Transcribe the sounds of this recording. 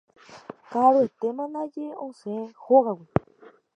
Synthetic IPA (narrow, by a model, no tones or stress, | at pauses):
kaɾoet̪emãnãd͡ʒeõseẽhoɣawi